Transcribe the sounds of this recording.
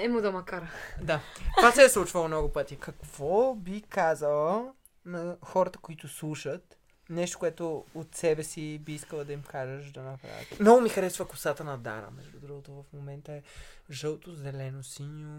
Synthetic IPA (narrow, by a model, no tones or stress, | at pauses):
ɛmod̪ɐmɐkaɾɐd̪avasɛɛslˠut͡ʃvəlˠmnɔɡʊpɤt̪ʲikɐkv̥ɔbikazəlˠə | nɐxɔɾɐt̪ə̥koit̪ʊslˠuʃət̪ | nɛʃt̪o̥kʊɛt̪ʊot̪sɛbɛsibiiskəlˠəd̪ɐimkaʒəʃd̪ɐnɐpɾa̰vḭt̪mnɔɡʊmixɐɾɛsvəkʊsat̪ənɐd̪a̰ɾə̰mɛ̰ʒdud̪ɾuɡot̪ovɐfmomɛnt̪əɛʒɤlˠt̪ozɛlɛnosinio